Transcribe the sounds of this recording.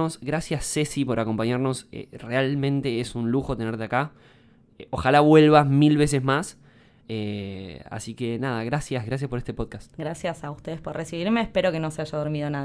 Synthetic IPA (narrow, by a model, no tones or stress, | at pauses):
osɣɾasjasːe̞sipo̞ɾako̞mpaɲaɾno̞sḛrealmẽnt̪e̞esunluxo̞t̪e̞neɾt̪eaka | oxalaβwe̞lβasmilβe̞s̬e̞zmas | ea̰sike̞naðaɣɾasjazɣɾas̬jaspo̞ɾest̪epo̞ðkast̪ɡɾasjasaust̪e̞ðespoɾrʔesiβiɾmeːhpeɾo̞kenoseaʒaðoɾmiðonað